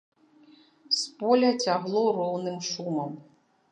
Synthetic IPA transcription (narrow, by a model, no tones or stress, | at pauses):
spɔlʲɐt͡sʲaɣlˠɔrɔwnɨmʂumɐm